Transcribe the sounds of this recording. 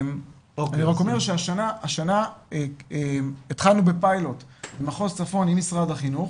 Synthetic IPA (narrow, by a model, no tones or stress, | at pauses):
m | oaniʁako̞meʁʃeaʃanaːʃanae | it̪χalnube̞pajlo̞t̪emaχost͡safo̞nimisʁad̪haχinuχ